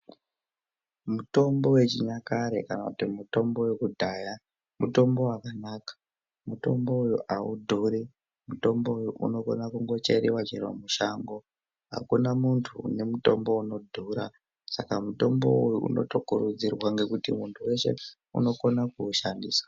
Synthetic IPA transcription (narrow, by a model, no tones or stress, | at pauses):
muto̞mbo̞we̞t͡ʃiɲakaɾe̞̰kanakutimuto̞mbo̞we̞kudʱaːja | muto̞mbo̞akanaːkḁ | muto̞mbo̞ujuʔaudʱuɾi | muto̞mboujuʔṵno̞ko̞nakuŋɡo̞t͡ʃe̞ɾiwat͡ʃerwa̰muʃaŋɡo̞ | ɦa̰kunamuntʰṵne̞muto̞̰mbo̞uno̞dʱuɾa | sakamuto̞mbo̞ujuṵno̞̰tokuɾud͡zirwaŋɡe̞kutimuntʰuwe̞ʃe̞̰ | ṵno̞ko̞nakuʃandiːswḁ